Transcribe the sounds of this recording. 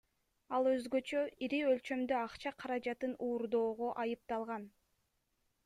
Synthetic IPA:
ɑlˠø̞zɡø̞t͡ʃøiɾiølt͡ʃø̞md̪øɑqt͡ʃɑqʰɑɾɑd͡ʒɑt̪ɯnuːɾd̪o̞ːʁoʔɑjɯp̚t̪ɑlˠʁɑn

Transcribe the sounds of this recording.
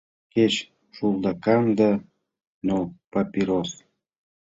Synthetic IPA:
ket͡ɕ | ʃulˠd̪ɑkɑmd̪a | nopapʲiɾos

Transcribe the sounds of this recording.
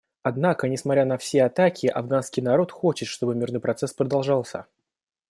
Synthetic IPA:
ɐd̪nakənʲɪsmɐt̪ɾʲanɐfsʲeɐt̪akʲʰɪʔɐ̰vɡanskʲɪjnɐɾo̞t̪xo̞t͡ɕɪt̪ʂt̪o̞bɨmʲirnɨjpɾɐt̪sɛspɾəd̪ɐlˠʐɑlˠsʲə̰

